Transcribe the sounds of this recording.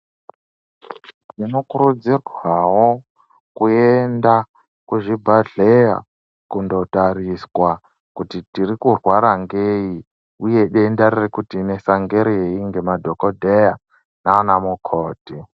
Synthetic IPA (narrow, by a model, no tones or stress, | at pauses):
tinokuɾud͡zirwawo | kuenda | kuʐibʱaɮeja̰ | kundo̞taɾiswa | kutitirikurwaɾaŋɡei | uje̞ɗeindarirekutine̞saŋɡeɾijeiŋɡemadʱokodʱeja | naanamukʰoːti